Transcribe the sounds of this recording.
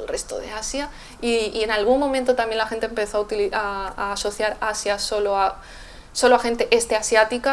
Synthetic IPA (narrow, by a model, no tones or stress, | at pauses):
elre̞st̪o̰ðḛasja | iie̞nalɣ̞uŋmõmẽnt̪ot̪amje̞nlaxe̞nt̪empe̞θoaut̪iliaːso̞θjaɾasjaso̞loa | so̞loaxe̞nt̪e̞ʔest̪easjat̪ika